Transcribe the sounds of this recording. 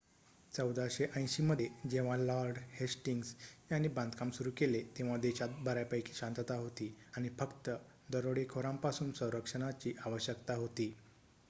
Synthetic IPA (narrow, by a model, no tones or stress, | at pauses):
t͡səwd̪aɕeʔə̃j̃ɕiməd̪ʱed͡ʑeʋ̤alaɾɖhesʈiŋɡsjanːiːbãnd̪kamsuɾuːkelet̪ẽʋ̤ad̪eɕat̪̚bəɾajpəjkʰi̥ːɕãnt̪ət̪aɦot̪iaɽ̃ifəkt̪ə | d̪əɾoɽekʰoɾãmpasuːnsə̃w̃ɾəkʂəɽ̃at͡ɕiːʔaʋəɕjəkt̪aɦot̪iː